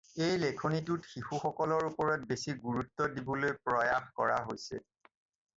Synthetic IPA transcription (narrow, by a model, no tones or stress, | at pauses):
ejlekʰonitutxixuxɔkɔlɔɹupɔɹɔt̚besiɡuɹutːɔdibɔlojpɹɔjaxkɔɹa̰ɦojsɛ̰